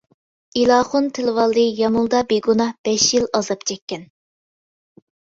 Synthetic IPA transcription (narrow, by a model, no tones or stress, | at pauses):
ilˠɑːχʊnt̪ʰelvɑlˠdɨjɑmulˠd̪ɑbeɡunɑhb̥ɛʃjilˠɑzɑp̚t͡ʃʰɛkʲːɛn